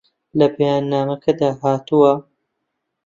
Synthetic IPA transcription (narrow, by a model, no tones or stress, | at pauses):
lɐbɐjaːnːaːmɐkʰɐd̪aːɦaːt̪uwɐ